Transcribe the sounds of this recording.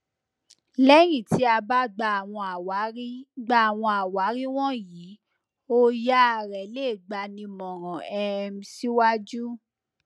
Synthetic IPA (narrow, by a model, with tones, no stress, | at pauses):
lɛ˦j̃ĩ˨ti˨˦a˧ba˦ɡ͡ba˧˨w̃ɔ̃˧a˨wɡ͡ba˦˨w̃ɔ̃˧a˨wa˨˦ɾi˦w̃ɔ̃˦jiː˨˦ | o˦ja˦a˧˨ɾɛ˨le˦˨ɡ͡ba˧nĩ˧mɔ̃˨ɾɔ̃˨ɛ˧m̩˧˦si˦wa˦d͡ʒu˦